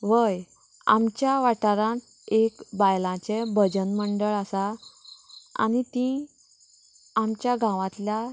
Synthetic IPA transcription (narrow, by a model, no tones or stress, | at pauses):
ʋəj | a̰mt͡ɕjaʋaʈaɾãt̪ | ekbajlãt͡sebəd͡ʑənməɳɖəɭasa | a̰nit̪ĩ | amt͡ɕjaɡãʋãt̪lja